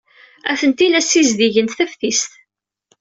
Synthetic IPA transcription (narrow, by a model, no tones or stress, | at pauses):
æfənt̪ilæsizðiʝənt̪θæfθist̪